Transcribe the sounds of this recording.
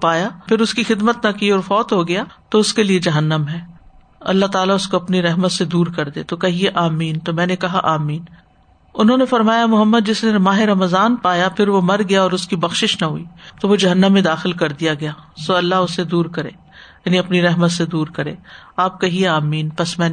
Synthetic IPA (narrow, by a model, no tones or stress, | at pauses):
paːjapʰɪɾʊskixɪd̪mət̪nɐkiɔːɾfɔːt̪ɦoɡɐjaːt̪oʊskelied͡ʒɐɦənːəmɦɛː | ɐ̰lːaɦt̪aːlaʊskoɐpniɾɛɦmət̪sed̪uːɾkɐɾd̪ḛːt̪okɐɦieʔaːmiːnt̪omɛ̃ːnekɐɦa̰ʔaːmiːn | ʊnɦõːnefɐɾmaːjamʊɦəmːəd̪̚d͡ʒɪsnemaːɦeɾɐməzaːnpaːjapʰɪɾʋomɐɾɡɐjaɔːɾʊskibɐxʃɪʃnaɦuiːt̪oʋod͡ʒɐɦənːəmːẽd̪aːxɪlkɐɾd̪ijaɡɐjaːsoːɐlːaɦʊsːed̪uːɾkɐɾḛː | jaːniɐpniɾɛɦmət̪sed̪uːɾkɐɾḛːaːp̚kɐɦieaːmiːnpɐsmɛ̃ː